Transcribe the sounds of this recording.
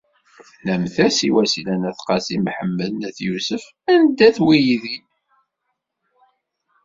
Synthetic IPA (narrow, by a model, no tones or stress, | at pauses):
næmθæsiwæsilænæθqɑsimħəmːəðnæθjusəf | ænd̪æθwijiði